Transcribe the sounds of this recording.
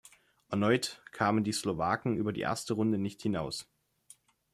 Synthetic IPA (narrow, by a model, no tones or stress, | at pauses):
ʔɛɐnɔʏtkʰaːməndiːslovaːkŋ̩ʔyːbɐdḭːʔḛɐstəʁʊndənɪçthɪnaʊs